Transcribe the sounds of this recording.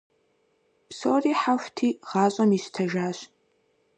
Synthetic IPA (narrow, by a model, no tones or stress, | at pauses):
psoːriːħaftʰiːʁɑːɕʼɐmiɕtʰɐʒaːɕ